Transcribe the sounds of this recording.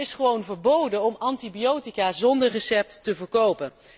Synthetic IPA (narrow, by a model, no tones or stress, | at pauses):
ɪsχəʋownvəɹbowdəɔmɑntibijowtikaːzɔndəɹrəsɛp̚tːəvəɹkowpən